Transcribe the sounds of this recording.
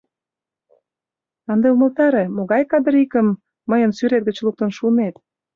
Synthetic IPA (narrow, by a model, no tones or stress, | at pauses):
ɑnd̪eumə̆lt̪ɑɾemoɣɑjkɑd̪əɾikə̆mː | əjənsyɾet̪̚ɡə̆t͡ɕluk̚t̪ənʃunet̪